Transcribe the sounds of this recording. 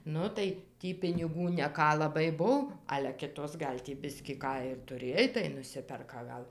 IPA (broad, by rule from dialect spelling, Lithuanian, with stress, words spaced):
ˈnʊ tɐɪ ˈtʲiː pʲɪnʲɪˈɡuː nʲɛˈkɑː lˠɐˈbɐɪ ˈbʊw ɐlʲɛ ˈkʲɪtoːs ˈɡɐlʲ tʲiː ˈbʲɪsʲkʲiː ˈkɑː ɪr tʊˈrʲeːj tɐɪ nʊˈsʲɪpʲɛrkɐ ɡɐlˠ